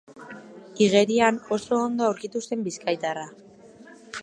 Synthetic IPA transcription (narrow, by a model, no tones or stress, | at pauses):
iɣe̞ɾiano̞so̞ːnd̪oawɾkit̪use̞mbiskajt̪ara